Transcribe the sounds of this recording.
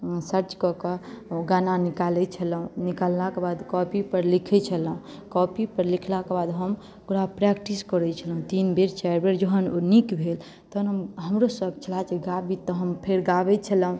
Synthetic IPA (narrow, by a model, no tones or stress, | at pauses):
səɾt͡ʃkɔkəɡananikalɛt͡ʃʰələɦũnikalːakebad̪kɔpipəɾlikʰɛt͡ʃʰəlɦũ | kɔpipəɾlikʰlakebad̪ɦəm | kuɾapɾɛkʈiskəɾɛt͡ʃʰəlɦũt̪inbeɾt͡ʃaɾbʱeɾd͡ʒəɦənonikbʱel | t̪ɔnəmɦəmɾosəb̚t͡ʃʰəlat͡ʃʰeɡabʱit̪ɔɦəmpʰeɾɡabɛt͡ʃʰəlɦũ